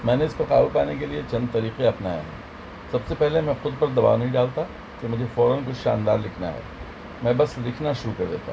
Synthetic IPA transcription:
mɛ̃ːneɪskoqa̰ːʋupaːnekeliet͡ʃɐ̃nd̪̚t̪ɐɾiːqeɐpnaːj̰ɦɛ̰̃ː | sɐbsepɛɦlemɛ̃xʊd̪̚pɐɾd̪ɐba̰ːʋnɐɦĩɖaːlt̪a | kemʊd͡ʒʱefɔːɾənk̬ʊt͡ʃʰʃa̰ːnd̪a̰ːɾlɪkʰna̰ɦɛ̰ː | mɛ̃bɐslɪkʰnaʃʊɾukɐɾd̪ḛːt̪a

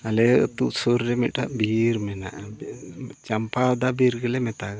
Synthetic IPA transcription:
alɛt̪uʔsuɾɾɛmit̪̚ʈaʔbiɾmɛna̰ʔ | t͡ʃampawd̪abiɾɡɛlɛmɛt̪aɡa

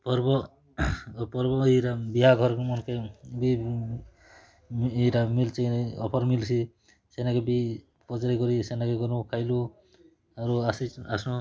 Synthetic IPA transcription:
pɔɾbɔ | pɔɾbɔiɾabiɦaɡʱɔɾkmɔnkebi | iɾamilt͡ʃaɔpʰɔɾmilsʰi | senakebi | pɔd͡ʒaɾikɔɾisenakeɡɔnukʰajlu | aɾuasiasnu

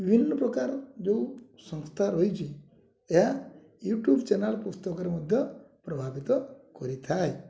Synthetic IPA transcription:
bʱinːɔpɾɔkaɾd͡ʒo | sə̃ŋst̪ʰaɾojt͡ʃʰi | eɦa | juːʈjuːbt͡ʃɛnalpust̪ɔkɔɾimud̪ʱjɔpɾɔbʱabit̪ɔkɔɾit̪ʰaj

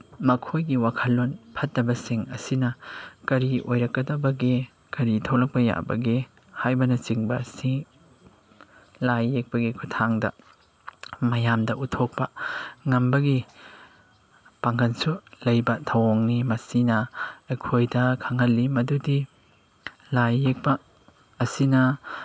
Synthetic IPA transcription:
mɐkʰojɡiwakʰɐlːonpʰɐt̚ːɐbɐsiŋɐ̰sinɐkɐɾiʔojɾɐkːɐdɐbɐɡi | kɐɾitʰɐwlɐk̚pɐja̰bɐ̰ɡi | hajbɐnɐt͡ʃiŋbɐsiŋ | lajːek̚pɐɡikʰutʰaŋdɐ̰ | mɐjamdɐutʰok̚pɐŋɐmbɐɡi | paŋɡɐnsulɐjbɐtʰɐwoŋnimɐsinɐekʰojdɐkʰɐŋhɐlːimɐdudi | lajːek̚pɐː | sinɐ

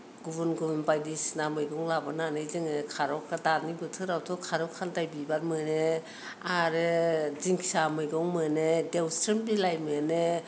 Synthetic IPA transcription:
ɡubɯnɡubɯnbajdisnamɯjɡɔŋlabɯnanɯjzɯŋɯkʰaɾɔkadanibɯtʰɯɾawtʰɔkʰaɾɔkʰːantajbibatmɯne | aɾɯziŋkʰi̥samɯjɡɔŋmɯnedewstɯnbilajmɯne

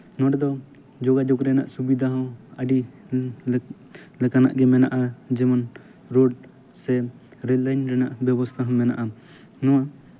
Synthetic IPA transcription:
nɔ̃waɖɛd̪ɔ | d͡ʒɔɡad͡ʒɔkɾɛnaʔsubid̪ʱaɦɔ̃wəɖi | lɛkana̰ʔɡɛmɛna̰ʔad͡ʒɛmɔn | ɾoɖ | sɛ | ɾɛdlajnɾɛnaʔbjɛbɔst̪ʰaɦɔ̃mɛna̰ʔa | nɔwa

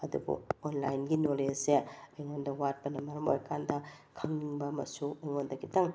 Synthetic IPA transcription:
ɐdṵbṵonlajnɡinoleseɐjŋondɐwat̚pɐnɐmɐɾɐmo̰jkʰandɐ | kʰɐŋniŋbɐmɐ̰suɐjŋondɐɡitɐŋ

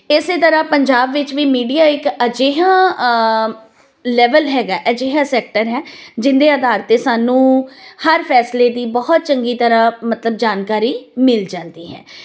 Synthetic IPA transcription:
ɪseːt̪əɾãːpəɲd͡ʒaːbʋɪt͡ʃʋiːmiːɖiːaːɪkəd͡ʒeːɦãː | lɛːʋəlɦɛːɡaːʔəd͡ʒeːɦãːsɛːk̚ʈəɾɦɛːd͡ʒɪnd̪eːəd̪aːɾt̪eːsaːnũːhəɾpʰɛːsleːd̪iːbɔɦt̪̚t͡ʃəŋɡiːt̪əɾãːmət̪ləb̚d͡ʒaːnkaːɾiːmɪlt͡ʃəld̪iːɦɛ̰ː

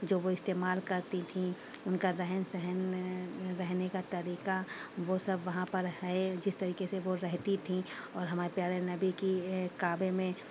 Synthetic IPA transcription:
d͡ʒoːʋoɪst̪eːmaːlkɐɾt̪it̪ʰĩ | ʊnkaɾɛɦənsɛɦən | ɾɛɦnekat̪ɐɾiːkaʋosɐbʱʋɐɦãpɐɾɦɛed͡ʒɪst̪ɐɾiːkeseʋoɾɛɦt̪it̪ʰĩɔːɾɦɐmaːɾepjaːɾenɐbikikaːbemẽ

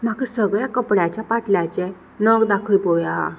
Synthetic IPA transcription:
m̤akəsəɡɭjakəpɽjat͡ɕjapaʈljat͡ɕɛ | nəɡd̪akʰəjpoʋjaɦ

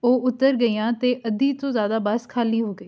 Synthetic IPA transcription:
oːʔʊt̪ːəɾɡəijãːt̪eːʔəd̪iːt̪õːzjaːd̪aːbaːskʰaːliːɦoːɡəː

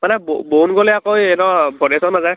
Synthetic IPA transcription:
manɛbbonɡolɛakojɛnɔbʱɔnesɔnːazaj

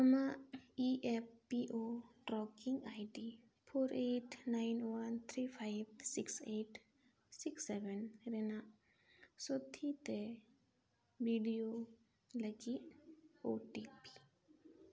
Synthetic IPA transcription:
ɐmaiʔepːiʔoʈɾɔkiŋɡajɖi | pʰoːɾeːʈnaɪnwant̪ʰɾiːpʰaɪb̚sikseːʈ | siksːebɛnɾenaʔ | sot̪ʰit̪e | biɖijo | ləki | oːʈipi̥

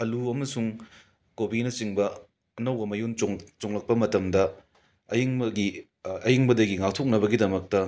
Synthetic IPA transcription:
ɐluɐmɐsuŋ | kobinɐsiŋbɐ | ɐnɐwbɐmɐjunoŋt͡ʃoŋlɐk̚pɐmɐtɐmdɐ | ɐjiŋbɐɡi | ɐjiŋbɐdɐɡiŋak̚tʰok̚nɐbɐɡidɐmɐk̚tɐ

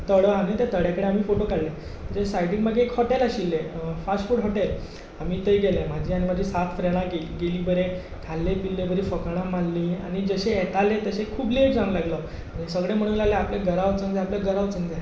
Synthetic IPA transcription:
t̪əɽəam̤it̪et̪əɽjakəɽeam̤iːfoʈokaɽlet̪əɾesajʈiŋmaɡekhɔʈelaɕilːefasʈfuːɽɦɔʈel | amiːt̪əjɡelemad͡ʑʱiːaɽ̃imad͡ʑʱiːsat̪fɾeɽ̃aɡeliɡeliːbəɾe | kʰalːepilːebʱəɾiːfəkɽ̃ãmalːĩːa̰ñid͡zəɕeɛt̪alet̪əɕekʰuːbleʈd͡zañlaɡlə | aɽ̃isəɡɭem̤əɽ̃ũlaleapleɡəɾaʋt͡səŋd͡zeapleɡəɾaʋt͡səŋd͡ze

